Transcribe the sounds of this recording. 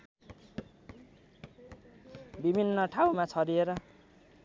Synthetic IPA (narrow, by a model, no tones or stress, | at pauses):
bibʱinːʌʈʰawmat͡sʰʌɾieɾʌ